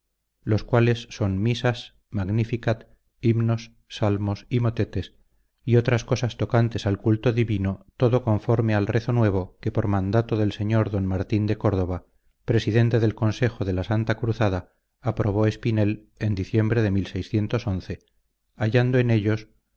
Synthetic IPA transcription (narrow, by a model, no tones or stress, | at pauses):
lo̞skwale̞sːo̞nmisas | maɣnifikat̪ | imno̞sː | almo̞simo̞t̪e̞t̪e̞s | io̞t̪ɾasko̞sast̪o̞kant̪e̞salkult̪oðiβino̞t̪o̞ðo̞ko̞ɱfoɾmealre̞θo̞nwe̞β̞o̞ke̞po̞ɾmãnd̪at̪o̞ðelse̞ɲo̞ɾðo̞nmaɾt̪ind̪e̞ko̞ɾð̞o̞β̞a | pɾe̞siðe̞nt̪e̞ðe̞lko̞nse̞xo̞ðe̞lasant̪akɾuθað̞aː | pɾo̞β̞o̞e̞spine̞l | e̞nd̪iθje̞mbɾe̞ð̞e̞milsejsθje̞nt̪o̞so̞nθe̞ | aʝand̪oene̞ʎo̞s